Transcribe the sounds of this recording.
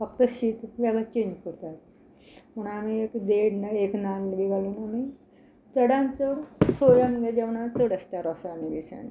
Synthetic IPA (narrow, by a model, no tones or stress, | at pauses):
fəkt̪əɕiːt̪ʋjaɡat͡ɕeɲd͡ʑkəɾt̪at̪̚ | məɳamiekd̪eɽnaeknalʋiɡalinami | t͡səɽãnt͡səɽsojamɡed͡ʑɛʋɳat͡səɽəst̪jaɾɔsaːniʋisa̰n̰